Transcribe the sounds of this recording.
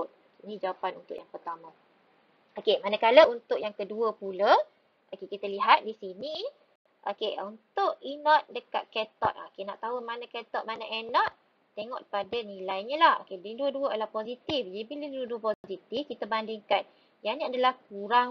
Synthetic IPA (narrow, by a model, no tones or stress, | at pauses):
t̪̚ | inĩd͡ʒawapanunt̪ʊ̰ʔjaŋpərt̪amã | okemanəkaləunt̪ʊʔjaŋkəduəpula | okekit̪aliɦat̪̚disini | ʔokea̰unt̪ʊʔinɔt̪̚dəka̰t̪̚kɛt̪ɔ̰t̪̚a̰okena̰ʔt̪aumanakɛt̪ɔt̪̚manaʔɛnɔt̪̚ | t̪eŋɔ̰ʔpadanĩlajɲəlaho̰kediduəduəalahpozit̪ifd͡ʒadibiləduduəpozit̪ifkit̪abandɪŋkan | janĩadalahk̚uɾaŋ